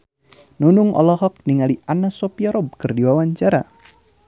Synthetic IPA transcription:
nunʊŋʔɔ̰lɔɦɔk̚niŋaliʔanasɔpiaɾɔb̚kɨrdiwawaɲt͡ʃaɾa

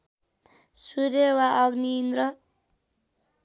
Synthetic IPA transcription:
suɾjewaʔʌɡniːnd̪ɾʌ

